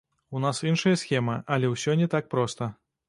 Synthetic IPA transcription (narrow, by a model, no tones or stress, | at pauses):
unasinʂɐjɐsxʲɛmɐʔɐlʲɛwsʲɔnʲɛt̪ak̚pɾɔst̪ɐ